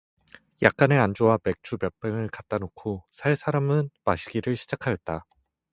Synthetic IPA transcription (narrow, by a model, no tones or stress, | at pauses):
jʔak̚k͈anɯɾand͡ʑowame̞k̚t͡ɕ͈ʰupjʌp͈eŋɯɭkat͈̚anokʰosʰaɭsʰaɾamɯnmaɕʰiɡiɾɯɭɕʰid͡ʑakʰajʌt̚t͈a